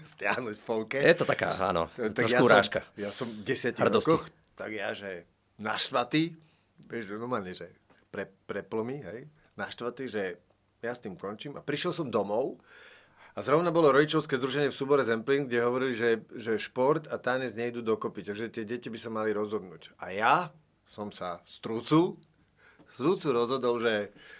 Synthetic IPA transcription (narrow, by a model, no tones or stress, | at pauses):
st̪ɪa̰ɦnucffɔlkɛjɛt̪ɔt̪aka̰ːa̰nɔ̰t̪aɡɾɔjauɾa̰ːʃkajasɔmɟɛsɪaciɾd̪ɔskɔx | t̪aɡjaʒɛ | naʃt̪ʋat̪i | ʋɪɛʒnɔɾmaːlɲɛʒɛ | pɾɛpɾɛplɔmiɦɛj | naʃt̪ʋat̪iʒɛ | jast̪iːmkɔnt͡ʃiːmapɾiʃɛlsɔmd̪ɔmɔʊ | azɾɔʊnabɔlɔɾɔɟit͡ʃɔʊskɛːzd̪ɾuʒɛɲɪɛfsuːbɔɾɛzɛmpliːnɡɟɛɦɔʋɔɾiliʒɛʒɛʃpɔɾt̪at̪aːɲɛzɲɛid̪uːd̪ɔkɔpit̪aɡʒɛt̪ɪɛɟɛcibisamaliɾɔzɦɔd̪nuːca̰ja | sɔmsast̪ɾut͡su | st̪ɾut͡suɾɔzɦɔd̪ɔlʒɛ